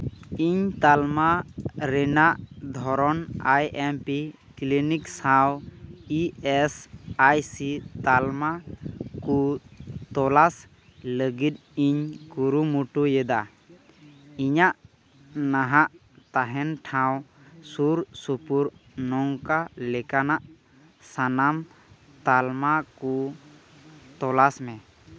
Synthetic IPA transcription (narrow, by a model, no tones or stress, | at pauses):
iɲt̪almaɾɛnaʔd̪ʱɔɾɔnajɛmpi | kliniksawiɛsajsit̪almakut̪ɔlas | ləɡit̪̚iɲkuɾumuʈujɛd̪a | iɲaʔ | naɦaʔ | t̪aɦɛnʈʰawsuɾsupuɾnɔŋkalɛkanaʔ | sanam | t̪almaku | t̪ɔlasmɛ